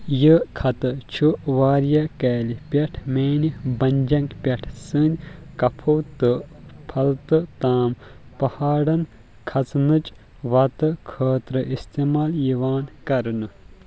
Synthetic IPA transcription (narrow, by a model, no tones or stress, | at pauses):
jɨkʰɐt̪ɨt͡ʃʰuʋaːɾjɐkɛːlipʲɐʈʰmeːnibɐnʲd͡ʒɐŋkpʲɐʈʰsɨnʲ | kɐpʰɐwt̪ɨpʰɐlt̪ɨt̪aːmpɐhaːɽɐn | kʰɐt͡snɨt͡ʃ | ʋɐt̪ɨkʰəːt̪ɾɨʔist̪eːmaːljiʋaːnkɐɾnɨ